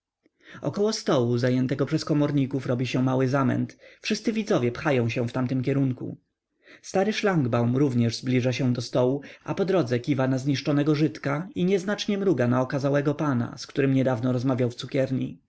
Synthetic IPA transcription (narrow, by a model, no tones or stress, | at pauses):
ɔ̰kɔwɔst̪ɔwuzajɛnt̪ɛɡɔpʂɛskɔmɔɾɲikufɾɔbʲiɕɛmawɘzamɛ̰nt̪fʂɘst̪sɘvʲid̪zɔvʲjɛpxajɔ̃w̃ɕɛ̃ft̪amt̪ɘmkʲɛɾuŋkṵ | st̪aɾɘʂlaŋɡbawmɾuvɲɛʐzblʲiʐaɕɛ̃d̪ɔst̪ɔwua̰pɔd̪ɾɔd̪zɛkʲivanazɲiʂt͡ʂɔnɛɡɔʐɘt̪kaiɲɛznat͡ʂɲɛmɾuɡanaɔkazawɛɡɔpana̰skt̪uɾɘmɲɛd̪avnɔɾɔzmavʲjawft̪sukʲɛɾɲḭ